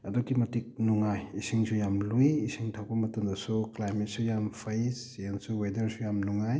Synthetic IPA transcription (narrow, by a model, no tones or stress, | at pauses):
ɐdukimɐtik̚nuŋajisiŋsʰujamlujisʰiŋtʰawbɐmɐtɐmdɐsuklajmet̚sujampʰajsensuwedɐɾsujamnuŋaj